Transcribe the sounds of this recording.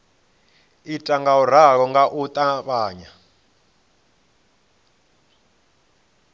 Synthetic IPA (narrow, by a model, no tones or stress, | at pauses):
itʼaŋɡauɾ̤aɺɔŋɡaʔut̪ʼaβaːɲa